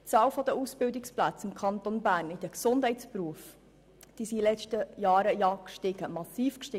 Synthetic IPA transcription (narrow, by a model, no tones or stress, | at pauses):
t͡sɑːwfɔd̥̪əʔusb̥ɪwdɪksplæt͡sɪmkʰɑnt̪onbæːɾnid̪əksʊnd̥hɛɪtspɾuəf | d̥isilɛt͡ʃtəjɑːɾəjɑːkʃtɪɡ̥əmɑsiːfkʃtɪ